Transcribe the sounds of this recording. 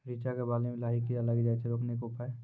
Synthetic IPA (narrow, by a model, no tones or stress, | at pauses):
ɾit͡ʃakebaːlemẽlaikijalaɡed͡ʒaːɛt͡ʃʰɛɾoːkʰnekopa